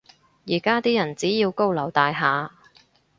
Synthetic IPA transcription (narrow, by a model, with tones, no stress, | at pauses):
jiː˨˩kaː˥t̪iː˥jɐ˨˩nt͡siː˨˥jiː˧wko˥wlɐ˨˩wt̪aː˧jɦaː˨˧